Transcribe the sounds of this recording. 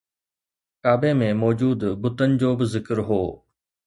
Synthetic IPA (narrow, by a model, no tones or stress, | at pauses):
kaːbemẽmɔːd͡ʑuːd̪bʊt̪ənɪ̆d͡ʑoːbɪzɪkəɾɦoː